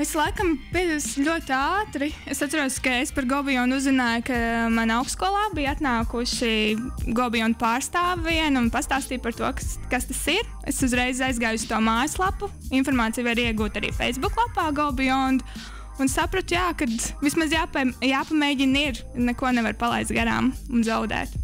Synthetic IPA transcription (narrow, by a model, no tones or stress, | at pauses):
ʋislˠajkɐmpiɛd̪ʲslʲuɔt̪aːt̪ɾiesat̪ɾuɔt̪skaespaɾɡɔbijɔnd̪uzzɪnaːjkamanawkskuɔlˠaːbijat̪naːkuʃiɡɔbijɔnd̪̚paːɾst̪aːʋviɛnunpast̪aːst̪iːt̚pɐɾt̪uɔkkast̪asiɾ | ḛsuzɾɛjzajzɡaːjʊsʲt̪uɔmaːjslˠapuinfɔɾmaːt̪sijvaɾiɛɡuːt̪aɾḭːfɛj̪zbuklˠapaːɡɔbiɔnd̪ | unsapɾot̪ʊjaːkad̪ʋismazjaːpajaːpɐmejɟʲiniɾ | nɛkuɔnɛʋaɾpalˠɛ̰jzt̪ɡaɾa̰ːmunzaʊd̪ɛ̰ːt̪